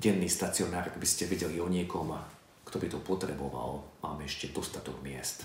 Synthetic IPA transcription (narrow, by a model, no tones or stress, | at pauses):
ɟɛnːiːst̪at͡siɔnaːɾɡbiscɛʋiɟɛliɔɲikɔma | kt̪ɔbit̪ɔpɔt̪ɾɛbɔʋa̰lmaːmɛɛʃcɛd̪ɔst̪at̪ɔɡmɪɛst̪